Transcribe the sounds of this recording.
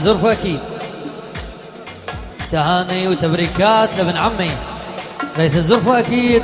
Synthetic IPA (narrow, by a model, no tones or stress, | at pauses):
zʊɾˤfʔakiːd̪̚ | t̪ahaːniwt̪abɾiːkaːt̪lɪbɪnʕamːi | ɾɑjθazʊɾˤfuʔakiːd̪